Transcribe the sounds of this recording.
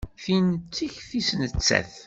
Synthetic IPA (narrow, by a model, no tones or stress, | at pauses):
θint͡sːiçθisnət͡sːæ̰θ